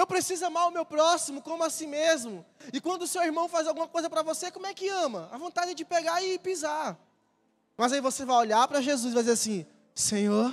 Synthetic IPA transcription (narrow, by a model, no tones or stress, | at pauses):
ewpɾesizʊɐ̃maɾʊmewpɾɔsimʊkõmʊasĩmezmʊɪkwɐ̃nd̪ʊːsewiɾmɐ̃w̃fazawɡũmɐkojzɐpɾɐvosekõmʊɛkɪɐ̃mɐavõnt̪ad͡ʒɪ̃d͡ʒɪpeɡaɪpiza | mɐzaivosevajoʎapɾɐʒezuzvajd͡ʒzeɾasĩ | sẽɲoɾ